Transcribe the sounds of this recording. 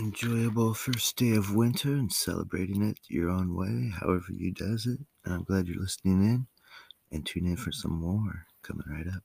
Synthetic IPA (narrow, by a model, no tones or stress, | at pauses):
ɨ̃nd͡ʒɔɪɨbl̩ˠfɜ˞sd̥eɪʌvwɪ̃ntʰə˞ɨ̃nsɛ̰lˠə̰bɹeɪɾɪ̃ŋɪt͡ʃjə̰˞õʊ̃nwḛɪɦa̰ʊɛvə̰˞jɨ̰dʌzɪt̚ | nãɪ̃mɡ̥læd͡ʒə̰˞lɪsnɪ̃ŋɪ̃n | ɨ̃ntʰʉ̃nɨ̃nfə˞sʌ̰̃mːɔɹkʰʌmɪ̰̃ŋɹaɪɾʌp̚